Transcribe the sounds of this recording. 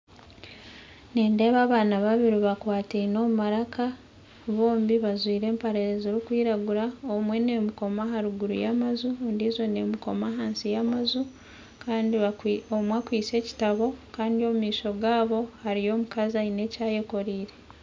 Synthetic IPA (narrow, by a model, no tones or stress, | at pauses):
neːnde̞ːβaːβaːnaβaβiɾiβakwaːtino̞mumaɾaka | βo̞ːmbiβazwiːɾe̞ːmpaɾeɾezoɾikwiːɾaɡuɾaomwe̞ne̞muko̞maɦaɾuɡuɾṵjamazundiːzwo̞ne̞muko̞maɦaːnsijamazu | kaːndiomwakwiːse̞ːci̥taβo̞kaːndio̞mumiːʃo̞ɡaːβo̞haɾijo̞ːmukazaine̞ːcaːje̞ko̞ɾiːɾe̞